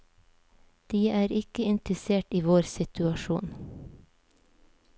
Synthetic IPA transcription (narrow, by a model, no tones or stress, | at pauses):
d̪̥iːʔæːɾɪkəɪnt̪ɾəseːʈiːʋoːɾsɪt̪ʉɑʃṵːn